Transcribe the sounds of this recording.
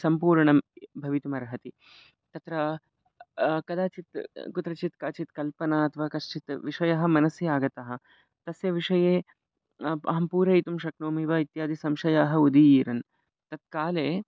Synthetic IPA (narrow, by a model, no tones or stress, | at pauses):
sɐmpuːɾɳɐmbʱɐʋit̪umɐɾɐɦɐt̪i | t̪ɐt̪ɾɐ | kɐd̪aːt͡ʃit̪kut̪ɾɐt͡ʃit̪kaːt͡ʃit̪kɐlpɐnaɐt̪ʰɐʋaːkɐʂt͡ʃit̪ʋiʂɐjɐɦɐ̆mɐnɐsjɐaːɡɐt̪ɐɦɐ̆ | t̪ɐsjɐʋiʂɐjeː | ɐ̰ɦɐmpuːɾɐjt̪umʃɐknoːmiːʋɐit̪jaːd̪isɐmʃɐjaːɦɐud̪iiːɾɐn | t̪ɐt̪̚kaːleː